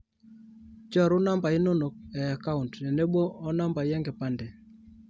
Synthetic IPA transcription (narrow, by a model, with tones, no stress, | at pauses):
t͡ʃɔ˦˨ɾʊ˦na˦mba˨ɪ˦no˦no˨k̚ɛ˨a˨ka˦u˨ntnɛ˨ne˦boː˦na˦mba˨jɛ˦ŋɡɛ˨pa˦ndɛ˨